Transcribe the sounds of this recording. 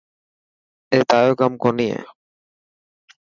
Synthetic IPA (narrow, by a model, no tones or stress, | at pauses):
eːt̪aːjoːkamkɔɾnijḛ